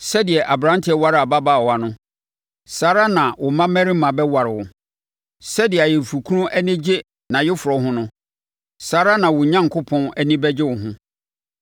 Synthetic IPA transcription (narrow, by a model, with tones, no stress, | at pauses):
sɛ˦dɪ˨ɛ˨ʔa˨bɾã˦ntʰɪ˨˦ɛ˦wa˦ɾɪ˨a˨ba˦ba˦˨a˨nʊ̃˦ | saː˨˦ɾa˦nã˨wʊ˨mã˦mæ̃˦ɾɪ˦mã˨bɛ˦wa˨ɾɪ˨wʊ˨ | sɛ˦dɪ˨ɛ˨jɪ˨fu˨kʰũ˦nʊ̃˦ʔɛ˦nɪ̃˦d͡ʑe˦ | nã˨jɪ˦fʊ˨ɾɔ˨˦ɦʊ̃˦nʊ̃˦ | saː˨˦ɾa˦nã˨wʊ˨ɲã˦ŋkʰʊ˦pʰɔ̃˦nɛ˦nĩ˦bɛ˦d͡ʑɪ˦wʊ˨ɦʊ̃˦